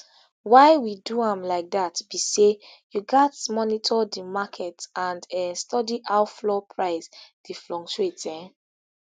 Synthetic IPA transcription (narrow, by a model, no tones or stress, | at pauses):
waɪwiduãmlaɪk̚datb̥ise | juɡatmɔnitʰɔdimakʰɛtãndɛstɔdiʔaʊflɔpʰɹaɪsd̥iflɔ̃ŋt͡ʃetɛ̃